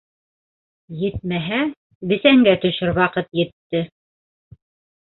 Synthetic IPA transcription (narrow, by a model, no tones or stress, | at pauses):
jɘt̪̚mæɦæ | bɘ̆sæŋɡæt̪ɵ̆ʃɘɾwɑqɤt̪jɘ̆t̪ːɘ